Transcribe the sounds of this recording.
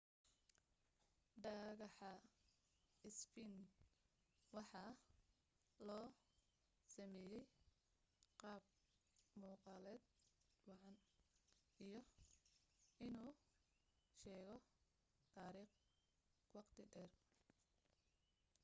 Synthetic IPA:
ɖɐɣɑħɐ | ɪsfin | wɑħɑ | lɔː | sɐmɛːjɛj | qɑːb̚ | muːqɑːlɛːd̪̚wɑʕɑn | ijɔ | ɪnuː | ʃɛːɣɔ | t̪ʰaːɾiːχ | wɑqt̪ʰɪɖɛːr

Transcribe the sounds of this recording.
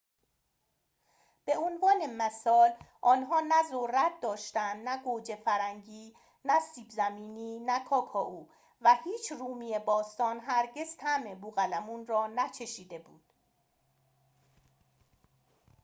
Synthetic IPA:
b̥e̞onvɒːne̞mæsɒːlʔɒːnɦɒːnæzorːæt̪̚d̪ɒːʃt̪ænd̪næɡod͡ʒefæɾæŋɟiː | næsiːbzæmiːniːnækʰɒːkʰɒːʔuː | væhiːt͡ʃʰruːmiːjebɒːst̪ɒːnɦæɾɟe̞z̥t̪ʰæmebuːɣælæmunrɒːnæt͡ʃʰe̞ʃiːd̪e̞buːd̪̥

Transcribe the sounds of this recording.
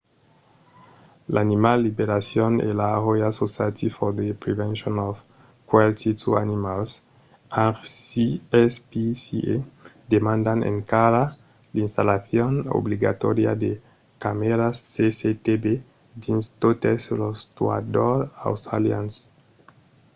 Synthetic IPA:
lʔanimalːibeɾasjɔnḛlaʁojasosjat̪ifɔɾd̪epɾevɛ̃nʃonɔf | kwalt̪it̪ʰua̰nimals | aɾsiɛspisied̪emãnd̪anḛŋkaɾa | linst̪alaθjɔno̰bliɡa̰t̪ɔɾja̰d̪e | kameɾasːeset̪ebe | d̪inst̪ot̪eslost̪ua̰d̪oɾa̰wst̪ɾa̰lja̰ns

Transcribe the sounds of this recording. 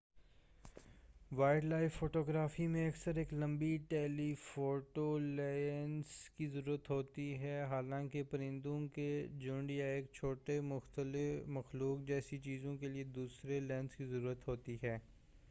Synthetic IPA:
ʋaːɪɖlaːɪfːoːʈoːɡɾaːfimẽɐksəɾeːklɐ̃mbiʈɛːlifoːʈolaːɪnskizɐɾuːɾət̪ɦoːt̪iɦɛɦaːlãːkepɐɾɪ̃nd̪õked͡ʒʊ̃ɳɖjaeːk̚t͡ʃʰoːʈemʊxt̪əlɪfmɐxluːk̚d͡ʒɛːsit͡ʃiːzõkelied̪uːsɾelɛːnskizɐɾuːɾət̪ɦoːt̪iɦɛː

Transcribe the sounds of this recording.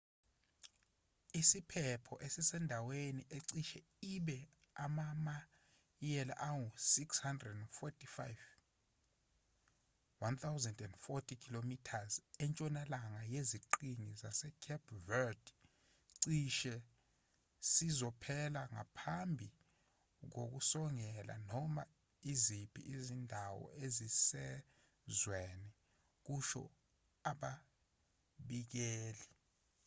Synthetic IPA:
isipʰɛpʰɔʔesisɛndʱaweniʔeǀiʃɛ | iɓɛ | amama | jɛla̰ʔaŋusikshandrɛdɛnfɔtʰʼifajv | want̪ʰawzɛndɛndfɔtʰikʰilomitʰazɛnt͡ʃʼɔnalaŋajeziǃiŋizasɛkʰɛpʰvɛd | ǀiʃɛ | sizɔpʰɛlaŋa̰pʰambʱi | k̬ok̬usɔŋɛla̰nɔma | izipʰḭizindʱawɔ̰ezisɛ | zwenɛ | k̬uʃɔ̰ | aɓa | ɓik̬eːli

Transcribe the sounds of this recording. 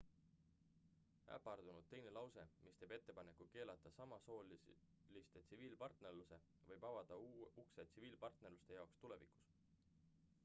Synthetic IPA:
æ̰pˑːɑrd̪̥unud̪ːe̞jnelɑwse̞mist̪e̞ːb̥e̞t̪ːe̞pɑne̞kːˑuke̞ːlɑt̪ˑːɑsɑmɑso̞ːl | list̪e̞t̪siviːlpɑrt̪ne̞rluse̞ | vɤjbɑvɑd̪̥ɑukse̞t̪siviːlpɑrt̪ne̞ɾrlust̪e̞jɑokst̪ule̞̰vḭku̥s

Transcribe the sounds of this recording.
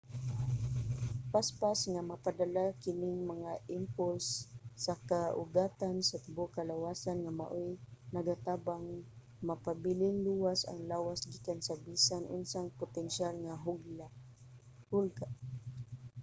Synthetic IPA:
paspasŋamapad̪alakɪnɪŋmaŋaʔɪmpʊlsːakaʔʊɡaːt̪ansat̪ʊbokalawasanŋama̰ʔojnaɡat̪aːbaŋ | mapabilɪŋluwasa̰ŋlaːwasɡikansabisanʔʊ̰nsaŋpʊt̪ɛnʃalŋaɦʊɡla | hʊlɡa

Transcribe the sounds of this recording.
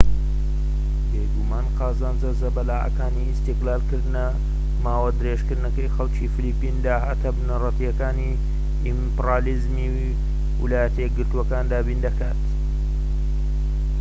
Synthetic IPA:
bejɡumaːnqɑːzaːnzɐzɐbɐlaːʔɐ̰kaːnist̪iqlaːlkɨɾd̪ɨnɐ | maːwɐd̪ɨɾeʃkɨɾd̪nɐkɐjxɐlt͡ʃifilipːind̪aːɦaːt̪ɐbnɐrɐt̪ijɐkaːni | impraːlizmi | wḭlaːjɐt̪ʰɐjeɡɨɾt̪uwɐkaːnd̪aːbiːnd̪ɐkaːt̪

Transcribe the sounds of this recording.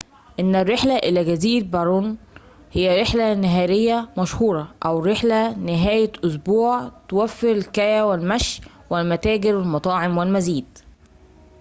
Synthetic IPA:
ʔɪnːærːeħlæʔɪlæɡæziːɾbɑɾˤuːn | hejːæɾeħlænæɦæːɾejːæmæʃhuːɾˤɑʔæwɾeħlænɪɦæːjæʔʊs̬buːʕt̪owæfːeɾɪlkæjæwɪlmæʃ | wɪlmæt̪æːɡɪɾwɪlmɑt̪ˤɑːʕemwɪlmæziːd̪̥̚

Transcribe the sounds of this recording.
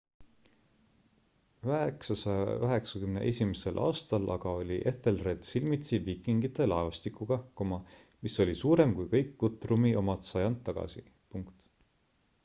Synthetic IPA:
vɑeksɑsɑjɑkɑɦe̞ksɑkymne̞ʔe̞sʲimese̞lʔɑ̰ːst̪ɑlʔɑɡ̥ɑo̞lʲiʔe̞θelre̞d̪̥silmit̪sivikːˑiŋɡit̪ːˑelɑevɑst̪ikuɡ̥ɑkomɑ | miso̞lʲisuːɾe̞mkujkɤ̞jkːut̪ːˑrumiʔo̞mɑt̪sɑjɑnd̪ːɑɡ̥ɑ̰sḭ | puŋkt̪

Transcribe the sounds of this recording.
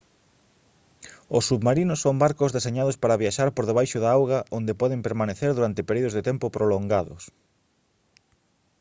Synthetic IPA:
ʊsːuβmaɾinʊsːoŋbaɾkʊzðeseɲaðʊspaɾaβjaʃaɾpoɾðeβajʃʊðaawɣaʔond̪epɔðɪmpeɾmaneθeɾðuɾant̪ɪpeɾuðʊzðet̪ɛmpopɾoloŋɡaðʊ̰s

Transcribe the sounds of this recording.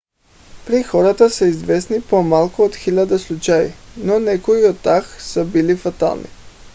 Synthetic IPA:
pɾixoɾat̪aseizʋesnipomalˠkood̪xiʎad̪aslˠut͡ʃajḭnonɛkoiod̪̚t̪ːaxsabilifat̪a̰lˠnḭ

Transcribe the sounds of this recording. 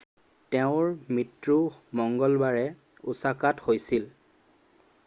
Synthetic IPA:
tɛʊ̃ɹmitɹumɔŋɡɔlbaɹɛ | usakathojsil

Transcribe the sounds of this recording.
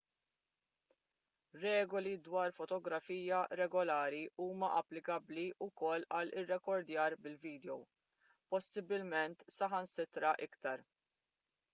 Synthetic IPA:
ɾɛːɡɔlid̪wɐːɾfɔt̪ɔɡɾɐfiːjɐɾɛɡɔlɐːɾiʔuːmɐʔɐpːlɪkɐbliʔʊkɔlːɐlɪrːɛkɔɾd̪jɐːɾbɪlviːd̪ɛɔw | pɔsːɪbːɪlmɛnt̪sɐħɐnsɪt̪ɾɐʔɪkt̪ɐɾ

